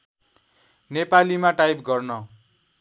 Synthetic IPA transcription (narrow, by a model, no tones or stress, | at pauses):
nepalimaʈajbɡʌrnʌ